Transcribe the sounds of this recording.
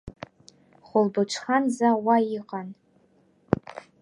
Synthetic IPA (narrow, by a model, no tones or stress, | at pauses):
χʷʊlbɨʈ͡ʂʷʰχanzawajɪqʼan